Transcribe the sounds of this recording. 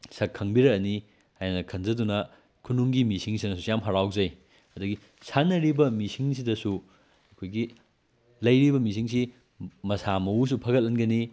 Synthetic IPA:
sɐkʰɐŋbiɾɐɐni | hajnɐkʰɐnzɐdunɐ | kʰunuŋɡimisiŋs̬inɐsusijamɦaɾawzɐj | ɐdɐɡi | sʰanːɐɾibɐmisiŋs̬idɐsu | ɐkʰojɡi | lɐjɾibɐmis̬iŋsi | mɐsamɐus̬upʰɐɡɐt̚lɐnɡɐni

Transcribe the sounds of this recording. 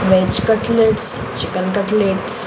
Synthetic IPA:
ʋet͡ʃkəʈleʈs | t͡ʃikəlkəʈleːʈs

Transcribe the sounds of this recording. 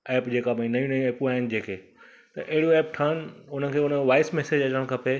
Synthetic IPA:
ɛːpd͡ʑeːkabãĩnɐjũnɐjũɛːpũaːɦɪnɪ̆d͡ʑeːkʰeː | t̪ɐʔeɦɪɽijoɛːp̚ʈʰaːnɪ̆ʊnə̆kʰeːʊnəʋaːɪsmɛːsed͡ʑɐt͡ɕəəɽ̃kʰɐpe

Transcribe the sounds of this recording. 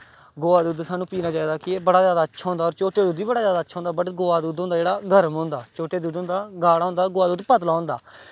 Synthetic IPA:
ɡoːaːd̪uːd̪saːnũːpiːnaːt͡ʃaːiːd̪aːkɪeːbəɽaːzjaːd̪aːətːʃʰaːɦʊ̃nd̪aːɔːɾt͡ʃoːʈeːd̪uːd̪iːbəɽaːzjaːd̪aːətːʃʰaːɦʊ̃ːnd̪aːbəʈɡoːaːd̪uːd̪õːnd̪aːd͡ʒeːɽaːɡʱəɾmɦõːnd̪aːt͡ʃoːʈeːd̪uːd̪ɦõːnd̪aːɡaːɽaːõʊ̃ːnd̪aːɡʊːaːd̪uːd̪pət̪laːɦõnd̪aː

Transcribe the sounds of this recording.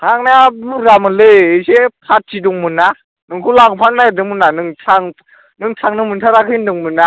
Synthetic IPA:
tʰaŋnamuɾamɯlɯɯsepʰat̚ʰiduŋmɯna | nɯŋkʰulaŋpʰatnadɯŋmɯnːanɯŋtʰaŋ | nɯŋtʰaŋnɯŋmɯntʰaɾakʰɯndɯŋmɯnːa

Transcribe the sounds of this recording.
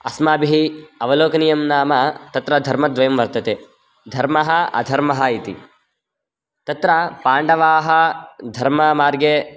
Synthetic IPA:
ɐsmaːbiɦiɐʋɐloːkɐnijɐmnaːmɐt̪ɐt̪ɾɐd̪ʱɐɾmɐd̪ʋɐjɐmʋɐɾt̪ɐt̪eː | d̪ʱɐɾmɐɦɐɐ̰d̪ʱɐɾmɐɦɐit̪ḭ | t̪ɐt̪ɾɐpaːɳɖɐʋaːɦɐd̪ʱɐɾmɐmaːɾɡe

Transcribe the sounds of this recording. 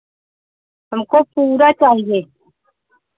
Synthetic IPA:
ɦəmkopuːɾat͡ʃaɦije

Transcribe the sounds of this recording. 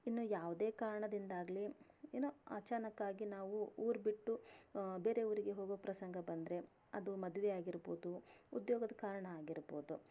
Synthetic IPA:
inːuːjaːʋd̪e̞ːkaːɾɐɳɐd̪ind̪aːɡli | enːoa̰ːt͡ʃaːnɐkːaːɡinaːʋuuːɾbiʈːubeːɾe̞uʋɐɾiɡe̞ɦoːɡopɾɐsɐŋɡɐbɐnd̪ɾe̞ | ɐ̰d̪umɐd̪uʋɛaːɡiɾboːd̪uud̪joːɡɐd̪ɐkaːɾɐɳɐaːɡiɾbo̰ːd̪u

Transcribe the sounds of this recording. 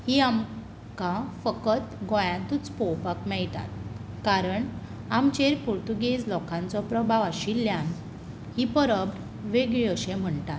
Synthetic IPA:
hiam | kãfəkət̪ɡɔ̃jãt̪ut͡spɔwpakmɛɭt̪a̰t̪̚ | kaɾəɳ | amt͡ɕeɾpuɾt̪uɡed͡zlɔkʰãnt͡sɔpɾəbʱaʋaɕilːjãn | hipəɾəbɽ | ʋeɡɭiəɕẽm̤əɳt̪at̪

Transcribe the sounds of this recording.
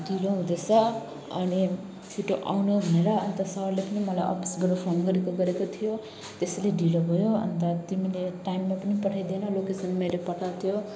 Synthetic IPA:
ɖiloɦũd̪esʰʌ | ʌ̰ni | sʰiʈoʔa̰wnubʱʌneɾʌːnt̪asʌɦʌrlepʌnimʌlajʔʌ̰pi̥sbʌɾopʰonɡʌɾekoɡʌɾekot̪ʰijo | t̪eseleɖilobʱʌjoʌ̰nt̪at̪imileʈajmːapʌnipʌʈʰajd̪enʌlokesʌnmelepʌʈʰawt̪ʰijo

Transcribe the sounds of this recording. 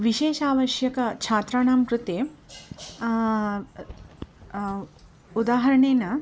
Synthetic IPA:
ʋiʃeːʃaːʋɐʃjɐkɐt͡ʃʰaːt̪ɾaːɳaːmkɾut̪eː | ud̪aːɦɐɾɐɳeːnɐ

